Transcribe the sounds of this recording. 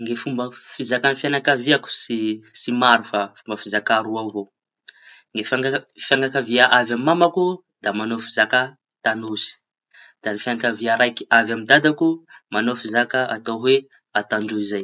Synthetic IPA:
ŋɡefumbəfizakanifjanakaviaku̥sisimaɾufafumbəfizakaɾuavo | ŋɡefafaŋɡakaviaʔavamimamaku | d̪̥amanofizakə | t̪anusi̥ | d̪̥anifjanakaviaɾajki̥avjamid̪ad̪akumanofizakəat̪awe | at̪aɳɖ͡ʐuizaj

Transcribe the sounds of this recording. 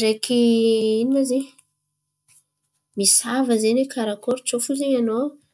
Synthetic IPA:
rekʰiinnazeɲ | misavəzenekʰaɾakoɾt͡sofuzeɲano

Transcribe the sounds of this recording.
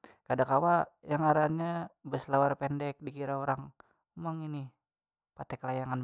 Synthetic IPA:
kadakawajaŋaɾaɲabəslawarpɛndɛk̚dikiɾaoɾaŋ | maŋini | pat̪ɛkəlajaŋan

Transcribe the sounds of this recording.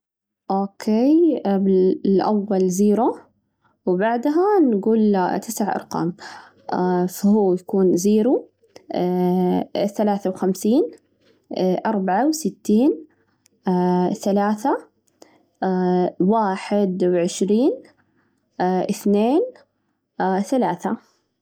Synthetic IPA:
ʔoːkʰeːbɪlʔawːalziːɾu | wbaʕd̪ɦanɡuːlt̪ʰɪsaʕʔɑ̰ɾˤqɑ̰ːm | fhuːjakuːnziːɾu | θalaːθawxamsiːn | ʔɑɾˤbaʕawsɪt̪ːiːn | θalaːθa | waːħɪd̪wʕɪʃɾiːn | ʔɪθneːn | θalaːθa

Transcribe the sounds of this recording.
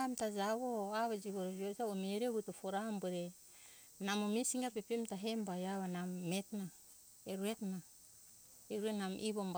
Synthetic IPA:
mtazaβoaβad͡ʒiɡoɾod͡ʒiozaomeɾeɡutufoɾambeɾe | namomisiŋɡapepemtaɦembajaβanamːetna | eɾuetna | eɾuenamʔiβomb

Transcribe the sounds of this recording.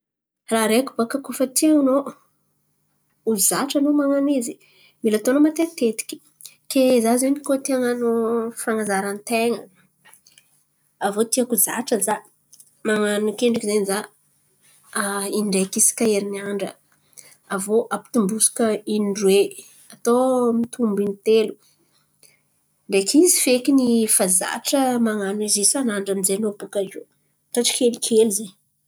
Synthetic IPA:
raɾeku̥bakakufət̪iaŋno | uzaʈ͡ʂanomaŋanizi | milat̪onəmat̪et̪et̪i̥kʲi̥ | kezazenikot̪iaŋanufaŋazaɾant̪eŋə | avot̪iakuza̰ʈ͡ʂəza | maŋanukeɳɖ͡ʐakizeniza | iɳɖ͡ʐekisi̥kaeɾiniaɳɖ͡ʐə̰ | avoʔapi̥t̪umbusu̥kəiniɳɖ͡ʐwe | at̪omit̪ʰumbinit̪elu̥ | ɳɖ͡ʐekizifekinifaza̰ʈ͡ʂəmaŋanizisanaɳɖ͡ʐanizenopukao̰ | t̪aʈ͡ʂi̥kʲelikʰelize

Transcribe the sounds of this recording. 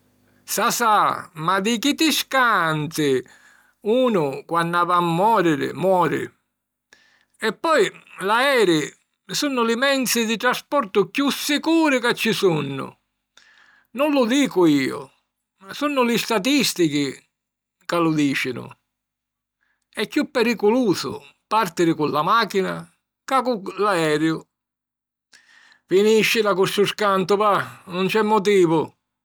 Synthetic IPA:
sasamad̪ɪkit̪ɪskant̪ɪ | uːnʊkwanːavamːɔːɾɪɾɪ̰mwɔːɾɪ̰ | ɛpːɔjlaɛːɾɪ | sunːʊlɪmɛnt̪sɪd̪ɪt̪ɾaspɔɾt̪ʊkjusːɪkuːɾɪkat͡ʃːɪsunːʊ̰ | nʊnlʊd̪iːkʊiːʊ̰ | sunːʊlɪst̪at̪ist̪ik̟ɪ | kalʊd̪iːt͡ʃɪnʊ̰ | ɛkːjupːɛɾikʊluːzʊ̰ | part̪ɪɾɪkʊlːamaːk̟ina̰ | kakulaɛːɾjʊ | finiʃːɪlakust̪ʊskant̪ʊvanʊnt͡ʃɛmːʊt̪iːvʊ

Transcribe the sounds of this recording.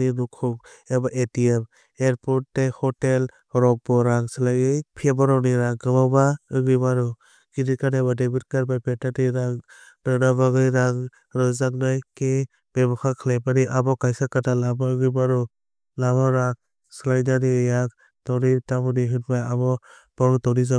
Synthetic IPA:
inukʰɔk | ebaʔetiem | eɾpʰɔt̚dehɔtel | ɾɔk̚bɔɾaŋsɯlajɯjpʰiebaɾawniɾaŋɡɯbawbaɯɡɾibaɾu | ɡidikanebadabit̚kaɾbajpetatiɾaŋ | dɯnabaɡɯjɾaŋ | ɾɯzak̚najke | b̥ebɔkʰakʰɯlajpaniʔabɔkajsakatalabaɯɡɾibaɾɔ | labɔɾak̚ | sɯlajnanijak | tɔnitabɯniɦɯtbajabɔ | b̥ɔɾtɔniza

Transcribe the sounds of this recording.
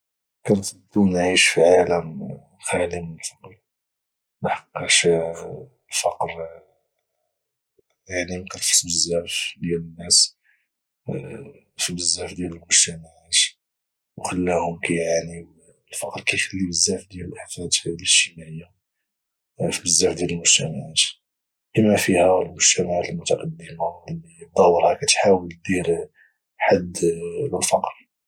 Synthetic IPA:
kænsəbt̪ːunʕiʃfəʕlən | xælimənəlfɑqɾ | nħɑ̥qːɑʃ | lfɑqɾ | jaʕninqɑɾfə̥sbəzːæfd̪jælənːæs | fibəzːæfd̪jæləlmʊʒt̪æmaʕat̪ | wxəlːæhʊmkæjʕani | əlfɑqɾkæjxəlːibəzːæfd̪jæləlʔaħfæt̪d̪əʃːəmæʔəjːa | fibəzːæfd̪jæləlmʊʒ̥t̪æmaʕat̪ | ʔəmæfihælmʊʒ̥t̪æmaʕat̪əlmʊt̪ɑqɑd̪ːəmalːid̪ˤɑwəɾhækæt̪ħawəld̪iɾ | ħad̪ləlfɑqɾ

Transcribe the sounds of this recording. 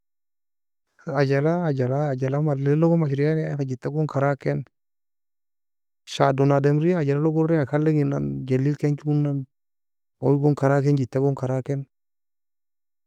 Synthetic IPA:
ad͡ʒalaːd͡ʒalaːd͡ʒalamallɔɡɔmaʃɾijanajkad͡ʒitːaɡʊŋkaɾakɛn | ʃadɔnadɛmɾiaad͡ʒalalɔɡʊɾɛŋakalːɪɡɪna̰nd͡ʒalilkɛnt͡ʃuunːan | ɔiɡɔŋkaɾakɛnd͡ʒitːaɡɔŋkaɾakɛn

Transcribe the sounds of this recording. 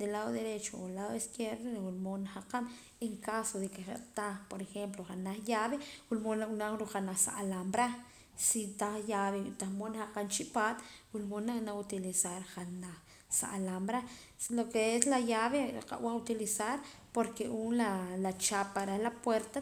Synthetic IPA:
d̪elaðoðeɾet͡ʃoolaðoeskjeɾðowulmonahaqan | eŋkasoðekeχḛʔt̪apoɾexemploχanaχjaβewulmonaunaɾuχanaχsa̰ʔalambɾa | sit̪aχjaβet̪amonhaqant͡ʃiʔpat̪wulmonanaut̪ilisaɾχanaχ | sa̰ʔlambɾa | slokeeslajaβeqa̰ʔwʔaut̪ilisaɾ | poɾkeʔunlalat͡ʃapaɾehlapweɾt̪a

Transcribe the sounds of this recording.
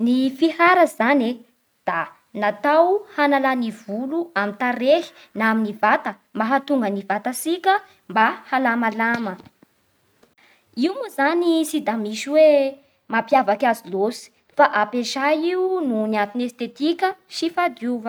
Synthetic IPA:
nifihaɾəzane | d̪̥a | nat̪awhanalaniv̥uluamint̪aɾeɦi̥ | naminivat̪ə | maɦat̪uŋɡənivat̪asikʲə | mbahalamalamə | iumuzanisid̪amiʃiwe | mapjavakazilosi̥ | faʔapeʃaiununiant̪inest̪et̪ikʲəʃifad̪uvə

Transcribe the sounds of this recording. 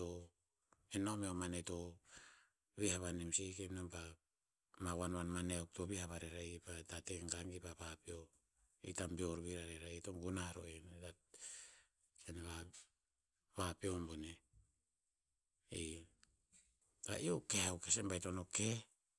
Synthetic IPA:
o | enomeomaneto̞ | βihaβanimsikenomba | mawanβanmaneawk̚to̞βihaβaɾeɾapatateŋɡaŋɡipapapio | itambioɾβiɾaɾeɾajetoŋɡunaɾo̰eneta | seneβa | βapiombone | i | pa̰iokeawkesembajtonoke

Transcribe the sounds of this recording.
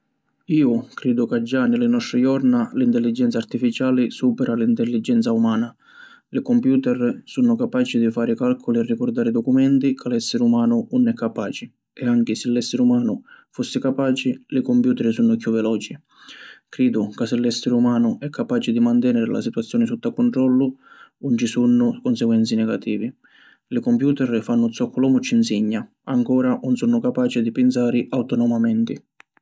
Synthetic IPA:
iːʊkɾɛːd̪ʊkad͡ʒːanɪlɪnɔst̪ɾɪjɔrnalint̪ɛlːid͡ʒɛnt̪sart̪ifit͡ʃaːlɪsuːpɛɾalint̪ɛlːid͡ʒːɛnt̪saumaːna | lɪkɔmpjuːt̪ɛrsunʊkapaːt͡ʃid̪ifaːɾɪkalkʰʊliɛrːikɔrd̪aːɾɪd̪ɔkumɛnt̪ikʰalɛsːɪɾumaːnʊnʊnɛkʰːapaːt͡ʃɪ | ɛaŋk̟ɪsɪlːɛsːɪɾɪumaːnʊfosːɪkapaːt͡ʃilɪkɔmpjuːt̪ɛɾsunːʊkjuvːɛlɔːt͡ʃi | kɾiːd̪ʊkasɪlːɛsːɪɾumaːnʊʔɛkʰːapaːt͡ʃɪd̪imant̪ɛnɛɾɪla̰sit̪uwat̪sːjɔːnɪsut̪ːakuɳʈ̪ɾɔlːʊunt͡ʃisunːʊkʊnsɛɡwɛnt̪sinɛɡat̪iːvi | lɪkɔmpjuːt̪ɛɾfanːʊt̪sɔkʰːʊlɔːmʊt͡ʃːinsiɲːa | aŋkɔːɾanunsunːʊkapaːt͡ʃid̪ipɪns̬aːɾɪʔawt̪ɔnɔmamɛnt̪ɪ

